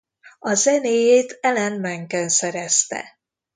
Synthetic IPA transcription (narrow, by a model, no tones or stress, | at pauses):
ɒzɛneːjeːt̪ɛlɛnmɛŋkɛnsɛɾɛst̪ɛ̰